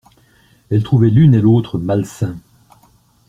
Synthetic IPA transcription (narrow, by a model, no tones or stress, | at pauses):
ɛlt̪χuvɛlynelot̪χəmalsɛ̃